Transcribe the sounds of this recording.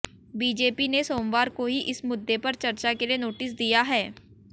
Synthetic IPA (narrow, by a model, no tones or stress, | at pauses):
biːd͡ʒeːpinesoːmʋaːɾkoɦiʔɪsmʊd̪ːepɐɾt͡ʃɐɾt͡ʃakelienoːʈɪsd̪ijaɦɛː